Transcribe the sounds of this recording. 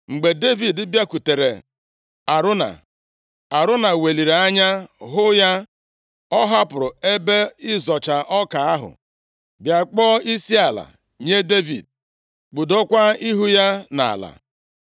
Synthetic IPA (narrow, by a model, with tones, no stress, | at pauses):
ŋ͡m̩˨ɡ͡be˨de˦vi˨dɪ˦bja˦ku˨te˨ɾḛ˨ | a˨ɾʊ˦na̰˨ | a˨ɾʊ˦na˨we˨li˨ɾe˨a˦ɲa˦ɦʊ˦ja˦ | ɔ˦ɦa˦pʊ˨ɾʊ˨e˦be˦ɪ˦zɔ˨t͡ʃa˨ʔɔ˦ka˨a˦ɦʊ̰˨ | bja˨k͡pɔː˦i˦si˦a˨la̰˨ | ɲe˦de˦vḭ˨d̚ | k͡pu˨do˦kʷa˦i˦ɦu˦ja˦na̰˨a̰˨la̰˨